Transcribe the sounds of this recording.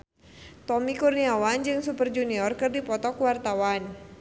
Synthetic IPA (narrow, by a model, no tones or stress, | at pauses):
t̪ɔmikurniawand͡ʒɨŋsupərd͡ʒuniɔrkɨrdipɔt̪ɔkwart̪awan